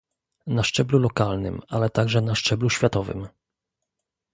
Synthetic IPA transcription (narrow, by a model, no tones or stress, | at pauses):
naʂt͡ʂɛblulɔkalnɘ̰malɛt̪aɡʐɛnaʂt͡ʂɛbluɕfʲjat̪ɔvɘ̰m